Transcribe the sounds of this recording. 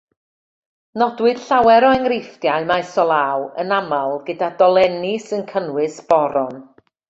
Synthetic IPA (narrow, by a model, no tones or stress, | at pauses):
nɔdwɨd̥ɬawɛɾɔɛŋrɪfdjaɨmaɛsɔlˠaːwə̰namalˠɡədadɔlˠɛnɪsənkʰənwɨsb̥ɔɾɔn